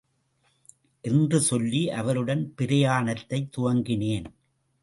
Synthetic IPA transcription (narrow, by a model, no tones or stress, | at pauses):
ʔɪndrɯsɔlːiʔɐʋɐɾɯɽɐnpɪɾɐjaːnɐt̪ːɐɪt̪ːʊʋɐŋɡɪneːn